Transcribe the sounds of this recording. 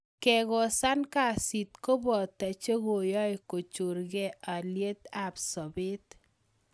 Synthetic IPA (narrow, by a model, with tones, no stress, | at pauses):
kɛ˨ɣɔ˨sa˦nka˨si˨t̪̚ko˦bɔ˨t̪ːa˨t͡ʃe˦ɣo˨jɔ˦jko˨t͡ʃu˨ɾɡɛ˦a˨lje˦t̪a˨psɔ˨bɪ˦t̪